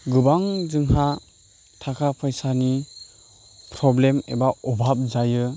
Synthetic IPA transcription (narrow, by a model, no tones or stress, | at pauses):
ɡɯbaŋd͡ʒɯŋha | tʰakʰapʰajsani | pɾɔblemḛbaɔbʱap̚d͡ʒajɯ